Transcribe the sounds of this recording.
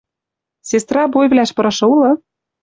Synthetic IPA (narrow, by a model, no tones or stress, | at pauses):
sʲest̪rɑbojvlʲæʃpɤ̆ɾɤ̆ʃɤ̆ulɤ̆